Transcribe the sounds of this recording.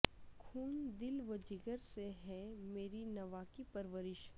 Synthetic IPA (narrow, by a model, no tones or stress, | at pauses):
kʰuːnd̪ɪlʋəd͡ʒɪɡəɾseɦɛ̃meːɾinɐʋaːkipɐɾʋəɾɪʃ